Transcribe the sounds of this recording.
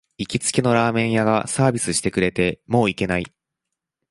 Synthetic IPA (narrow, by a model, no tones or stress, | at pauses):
ikʲit͡sɨ̥kʲeno̞ɾaːmẽ̞ɰ̃jaɡasaːbʲisɨɕi̥t̪e̞kɯ̟ɾe̞t̪e̞mo̞ːike̞nai